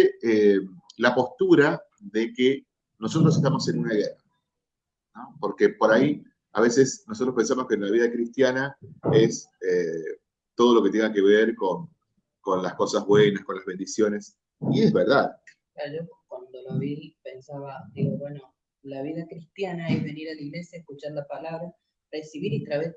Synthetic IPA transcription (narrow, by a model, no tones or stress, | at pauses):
emlapo̞st̪uɾa | ðeke | no̞sot̪ɾos̬eht̪amo̞se̞nunaɣera | no̞po̞ɾkepo̞ɾai | a̰βe̞se̞snosot̪ɾohpe̞nsamo̞ske̞nlaβiðakɾist̪janae̞se | t̪o̞ð̞o̞lo̞ket̪e̞ŋɡake̞βeɾko̞ŋ | ko̞nlasko̞sazβwe̞naskonlazβe̞nd̪isjo̞ne̞s | iezβeɾð̞að | kaɾoʒokwand̪oloβipensaβad̪iɣoβweno | laβiðakɾist̪janaeβeniɾaliɣlesjaehkut͡ʃaɾlapalaβɾa | resiβiɾit̪ɾaβe